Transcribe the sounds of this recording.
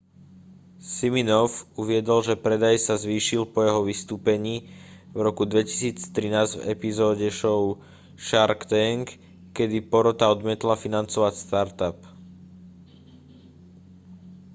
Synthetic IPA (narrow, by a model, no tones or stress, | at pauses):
siminɔfuʋɪɛd̪ɔlʒɛpɾɛd̪ajsazʋiːʃilpɔjɛɦɔʋist̪uːpɛɲiːvɾɔkud̪ʋɛci̥siːt͡st̪ɾinaːzɟvɛ̰pizɔːɟɛʃɔʊ | ʃaɾkt̪ɛŋkː | ɛd̪ipɔɾɔt̪aɔd̪mɪɛt̪lafinant͡sɔʋacst̪aɾt̪ap